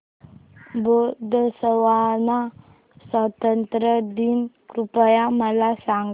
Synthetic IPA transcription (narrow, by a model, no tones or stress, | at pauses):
bod̪əsəwana | sɔt̪ənt̪ɾəd̪inkɾupajamalasaŋ